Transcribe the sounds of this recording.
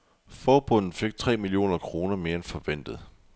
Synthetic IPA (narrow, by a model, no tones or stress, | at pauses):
fɒːb̥ɔ̽n̰n̩fe̝ɡ̥̚t͡sʰʁɛ̰ːmilio̝̰ːnɐkʰʁo̝ːnɐme̝ːɐenfɒ̽ʋen̰d̥ð̩ˠ